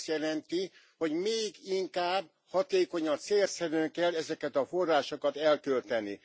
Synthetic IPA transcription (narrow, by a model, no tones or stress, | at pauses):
st̪jɛlɛnt̪i | ho̞ɟmeːɡiŋkaːb | hɒt̪eːko̞ɲɒnt̪seːlsɛɾøŋkɛlːɛzɛkɛt̪ɒfo̞rːaːʃokɒt̪ɛlkølt̪ɛnḭ